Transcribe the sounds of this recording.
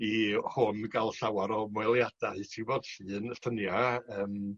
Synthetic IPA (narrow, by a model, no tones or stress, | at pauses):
ihʊnɡalˠɬawaɾɔmwɛlˠjad̥aɨtʰivɔːd̥ɬɨːnəɬtənjaəːm